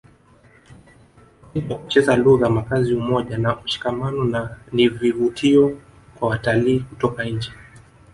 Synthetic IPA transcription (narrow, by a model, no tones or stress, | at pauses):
ipɔku̥t͡ʃɛzaluɣamakaziumɔʄanauʃi̥kamanɔnanivivutʰiɔ | kwawataliːkutɔkaɲ̩d͡ʒɛ